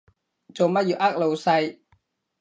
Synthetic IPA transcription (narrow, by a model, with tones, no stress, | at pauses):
t͡so˨wmɐ˥t̚jyː˨˩ʔa˥k̚lo˨˧wsɐ˧j